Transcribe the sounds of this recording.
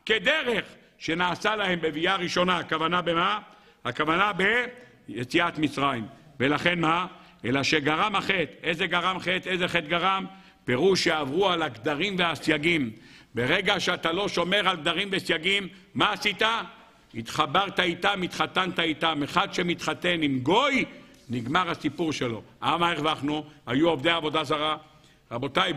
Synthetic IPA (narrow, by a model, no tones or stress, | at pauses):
ked̪eʁeχ | ʃe̞naːsalahe̞mbe̞viaʁiʃo̞naakavanabema | hakavanabe | jet͡siat̪mit͡sʁaim | velaχe̞nmaʔelaʃeɡaʁamhaχe̞t̪ezeɡaʁamχet̪ezeχet̪ɡaʁam | pe̞ʁuʃeavʁualaɡd̪aʁimveasjaɡimbe̞ʁeɡaʃeat̪alo̞ʃo̞me̞ʁalɡ̚d̪aʁimvesjaɡimː | aːsit̪a | it̪χabaʁt̪ait̪amit̪χat̪ant̪ait̪ameχad̪ʃemit̪χat̪e̞nimɡo̞j | niɡmaʁasipuʁʃe̞lo̞ʔamaeχvaχnuhajuovd̪eaːvo̞d̪azaʁa | ʁabo̞t̪aj